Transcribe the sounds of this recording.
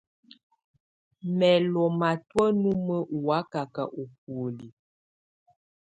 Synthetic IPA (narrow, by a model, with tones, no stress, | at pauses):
mɛ˨lɔ˨ma˨twə˦nu˦mə˦wa˨˦ka˨ka˨ʔo˨k̚wo˨li˨